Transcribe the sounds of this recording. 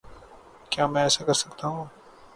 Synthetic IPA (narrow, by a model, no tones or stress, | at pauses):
kjaːmɛ̃ːɛːsakɐɾsəkt̪aɦũː